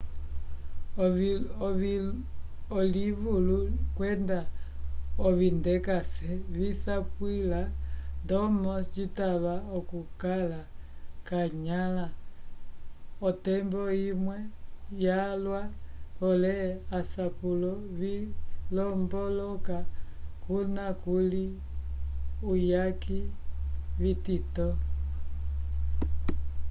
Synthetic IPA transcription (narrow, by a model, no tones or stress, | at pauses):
β | ɔliβulukwɛnda | ɔβindɛkasɛβisapwilandɔmɔt͡ʃitaβaɔkukalakaɲala | ɔtɛmbɔimwɛjalwaɔlɛasapulɔβilɔmbɔlɔkakunakuli | ujaki | βititɔ